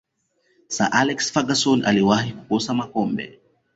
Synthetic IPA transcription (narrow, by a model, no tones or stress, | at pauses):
sa̰ʔalɛksfaɡasɔna̰liwahiku̥kosamakɔmbɛ̰